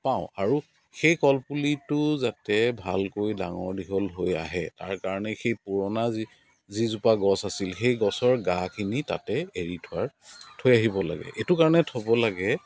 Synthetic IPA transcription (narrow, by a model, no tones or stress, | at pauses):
pãʊ̃aɹu | xejkɔlpulitʊzatɛbʱalkojdaŋɔɹdiɦɔlɦoja̰ɦɛta̰ɹkaɹɔnɛxejpuɹɔnaz | zizupaɡɔsasilxejɡɔsɔɹɡakʰinita̰tɛeɹitʰʊwaɹ | tʰojaɦibɔla̰ɡɛ̰ʔetukaɹɔnɛtʰɔbɔlaɡɛ